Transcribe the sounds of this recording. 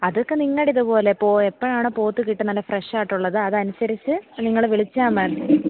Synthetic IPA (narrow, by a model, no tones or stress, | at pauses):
ɐðo̞kːe̞niŋːɐɽiðupo̞ːlepo̞ːepːɐɻaːɳoːpo̞ːt̪ːukiʈːɨnɐlːɐfreʂaːiʈːuɭːɐðɨɐðɨɐnusɐɾit͡ɕːɨniŋːɐɭʋiɭit͡ɕːaːmɐr